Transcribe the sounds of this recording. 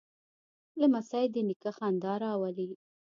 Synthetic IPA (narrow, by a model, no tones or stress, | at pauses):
ləmasajd̪ənikaxand̪ɑɾɑwali